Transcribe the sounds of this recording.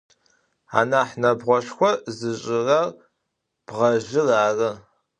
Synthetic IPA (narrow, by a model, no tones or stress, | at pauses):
a̰ːnaːħnɐbʁʷɔʃxʷɔzɨɕʼɪrɐr | b̥ʁɐʒɪraːrɨ